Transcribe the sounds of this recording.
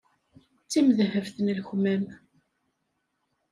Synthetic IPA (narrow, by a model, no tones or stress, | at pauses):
t͡sːimðhəvθnlçmæm